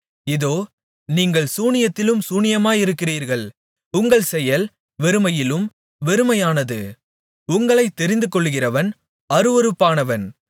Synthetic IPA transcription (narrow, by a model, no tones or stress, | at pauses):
ɪðoː | niːŋɡɐɭsuːnɪjɐt̪ːɪlɯmsuːnɪjɐmaːjɪɾɯkːɪriːɾɣɐɭ | ʊŋɡɐɭsɛjɐl | ʋɛɾɯmɐjɪlɯm | ʋɛɾɯmɐjaːnɐðɯ | ʊŋɡɐɭɐɪt̪ːɛɾɪnd̪ɯkɔɭːɯɣɪrɐʋɐn | ɐɾɯʋɔɾɯpːaːnɐʋɐn